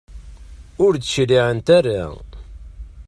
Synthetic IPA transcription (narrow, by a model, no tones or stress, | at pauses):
ʊɾd̪əʃliʕənt̪ærːa